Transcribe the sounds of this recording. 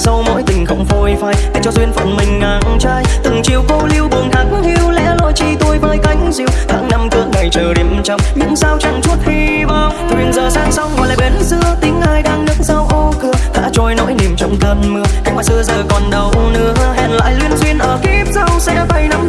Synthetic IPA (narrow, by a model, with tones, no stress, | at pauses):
sa˧wmo̰˧˥jt̪ï˨˩ŋ̟xə˧wŋ͡mvo˧˩jfaː˧˩jkə˧t͡ɕɔ˧˩zwi˧ənfə̰˧˨˩nmï˨˩ŋ̟ŋaː˨˩ŋŋt͡ɕaː˧jt̪ɨ˨˩ŋt͡ɕi˨˩əwko˧li˧əwɓɨ˨˩əŋhaː˦˥k̚hi˧əwlɛ̰˧˥lo̰˧˨jt͡ɕi˧t̪o˧jvəː˧jka˨˦jŋ̟zḭ˧˩wh̪ʰa̰ː˧˩ŋna˧mkɨ̰˧˥əŋa˨˩jt͡ɕəː˨˩ɗi˨˩m˧t͡ɕɔ˧wŋ͡mɲɨ̰˧˥ŋsaː˧wt͡ɕa˧˩ŋt͡ɕu˦˥ət̚hi˧ | ɓaː˧˩wtʰwi˨˩ənzəː˨˩saː˧˩ŋsa˧wŋ͡mɡɔ˨˩jla̰ː˧˨˩ɓe˨˦nzɨ̰˧˥ət̪ï˨˦ŋ̟haː˧jɗaː˧ŋnɨ˦˥ŋza˧wʔo˧kɨ˧əha̰ː˧˥t͡ɕɔ˧˩jno̰˧˥jni˨˩mt͡ɕɔ˧wŋ͡mt̪ə˧nmɨ˧əxa˧˦jwaː˧˩sɨ˧əzəː˨˩kɔ˨˩nɗə˨˩wnɨ̰˧˥ə˧hɛ˧˨˩nla̰ː˧˨jlwi˧ənzwi˧ənʔəː˧˩ki˦˥p̚za˧wsɛ̰˧˥fa˧˩jna˨˧m